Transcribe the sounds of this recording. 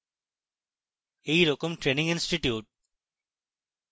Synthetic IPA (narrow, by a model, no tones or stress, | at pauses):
eːɾokəmʈɾeːnɪ̃ŋɡɪ̃nsʈiʈjuːʈ̚